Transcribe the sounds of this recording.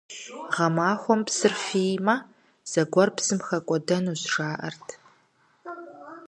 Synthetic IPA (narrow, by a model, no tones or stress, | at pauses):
ʁɐmaːxʷɔmpsɨrfiːmɐ | z̥ɐɡʷɔrpsɨmxɐkʷʼɔdɐnuːsʂaːʔɐ̰rtʰ